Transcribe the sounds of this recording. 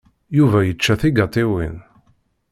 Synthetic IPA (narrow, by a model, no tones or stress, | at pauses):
juvæjət͡ʃːæθiɡɑt̪ˤiwḭn